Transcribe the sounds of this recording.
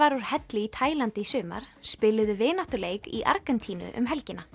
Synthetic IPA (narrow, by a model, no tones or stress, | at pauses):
aɾuɾ̥hɛt̪lɪit̪ʰaːjlant̪ɪsʏːma̰ɾ̥spɪlʏðʏvɪːnaht̪ʏleːjkiʔa̰ɾkɛnt̪ʰiːnʏ̰ʔʏ̰mɦɛlcɪnːa